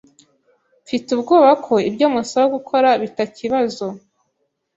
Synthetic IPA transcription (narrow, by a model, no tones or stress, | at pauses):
fitubɡoːβakʰo̞ibɟo̞ːmusoβoɡukʰo̞ɾaβitaciβazo̞